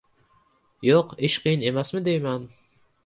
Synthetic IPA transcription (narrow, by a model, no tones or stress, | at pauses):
joqɪʃqʰɨjinemæsmɪd̪ejmɛn